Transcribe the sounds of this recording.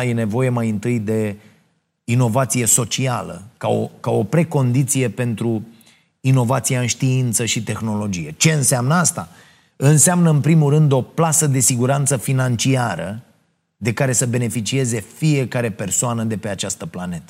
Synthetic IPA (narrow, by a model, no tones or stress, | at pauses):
je̞ne̞vo̞je̞majɨnt̪ɨjd̪e̞ | ino̞vat̪sije̞so̞t͡ʃia̰lə̰kao̰kao̞pɾe̞ko̞nd̪it̪sije̞pe̞nt̪ɾu | ino̞vat̪sijaɨnʃt̪iint̪səʃit̪e̞xno̞lo̞d͡ʒije̞t͡ʃe̞ɨnsamnəast̪a | ɨnseamnəɨnpɾimulɾɨnd̪o̞plasəd̪e̞siɡuɾant̪səfinant͡ʃiaɾə | d̪e̞kaɾe̞səbe̞ne̞fit͡ʃie̞ze̞fie̞kaɾe̞pe̞rsoanəd̪e̞pe̞at͡ʃast̪əplane̞t̪ə̥